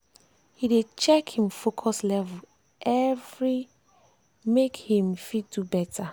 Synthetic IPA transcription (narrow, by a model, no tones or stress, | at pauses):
hidet͡ʃɛkhĩmfokʰɔslɛvə | ʔɛvɹi | mekhĩmfidubɛtʰa